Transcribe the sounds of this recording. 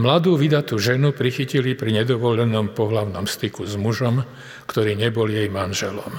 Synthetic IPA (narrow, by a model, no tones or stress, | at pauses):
mlad̪uːʋid̪at̪uʒɛnupɾixicilipɾiɲɛd̪ɔʋɔʎɛnɔmpɔɦlaʊnɔmst̪ikuzmuʒɔm | kt̪ɔɾiːɲɛbɔljɛjmanʒɛlɔm